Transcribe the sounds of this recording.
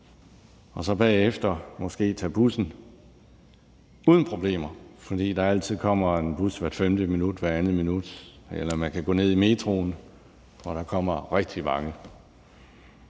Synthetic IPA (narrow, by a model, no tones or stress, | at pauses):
ɒ̽sɒ̽b̥ɛ̰ːefd̥ɐmɒ̽sɡ̥e̝̰ːt͡sʰæb̥usn̩ | uːðˠn̩pʰʁo̝b̥le̝̰ːmɐfɒ̽d̥ḭːd̥ɑ̈æl̰t͡sʰið̞̰ˠkʰɒ̽m̰ɐenb̥usʋæɐd̥femd̥əminud̥ʋæɐænð̩ˠminud̥ | elɐmænkʰæɡ̥ɔ̰ːne̝ð̰ˠime̝ːdʰʁon | ʋɒɾ̥ɑ̈kʰɒ̽m̰ɐʁeɡ̥̚d̥imɑ̈ŋə